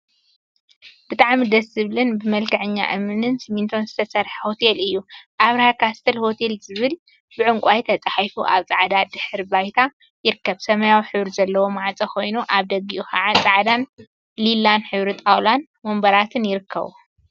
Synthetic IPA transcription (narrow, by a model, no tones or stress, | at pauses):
b̥ɨt̪ʼaʕmid̪ɐsɨβlɨnbɨmɐlkʰɐʕɨɲːa̰ʔɨmɨnɨnsimint̪ʰo̞nzɨt̪ʰɐsɐɾħɐho̞t̪ʰelɨjːuʔaβɾhakʰast̪ʰɐlho̞t̪ʰe̞lzɨβɨl | bɨʕɨŋkʷʼajt̪ʰɐt͡sʼaħajfuʔa̰βt͡sʼaʕd̪ad̪ɨħɨɾbajt̪ʰa | jɪɾɨkːɐβsɐmɐjawħɨβɾizɐlːɐwo̞maʕat͡sʼɐkʰo̞jnuʔaβd̪ɐɡiʔuxaʕat͡sʼaʕd̪an | lilanħɨβɾɨt̪ʼawlan | mombɐɾat̪ʰɨnjɪɾɨkʰːɐ̰βṵ